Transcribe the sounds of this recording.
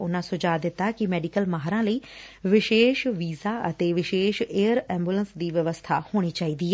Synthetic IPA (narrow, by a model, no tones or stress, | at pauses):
ʊnãːsʊd͡ʒaːd̪ɪt̪ːaːkɪmɛːɖikəlmaːɦɾãːləiːʋɪʃeːʃʋiːzaːə̰t̪eːʋɪʃeːʃeːəɾɛ̃ːmbuːlənsd̪iːʋəʋəst̪ʰaːhoːɽ̃iːt͡ʃaːiːd̪iːɛː